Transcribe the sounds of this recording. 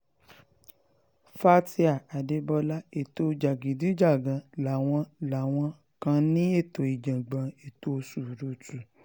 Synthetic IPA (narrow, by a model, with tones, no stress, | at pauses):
fa˦ti˧a˨a˨de˨˧bɔ˧la˦e˨to˧d͡ʒa˨ɡi˨di˨˦d͡ʒa˦˨ɡã˨˧la˨w̃ɔ̃˧la˨w̃ɔ̃˧˦ | kã˧nĩ˦e˦˨to˨i˨d͡ʒã˨ɡ͡bã˨e˨to˧su˨ɾo˦˨tu˨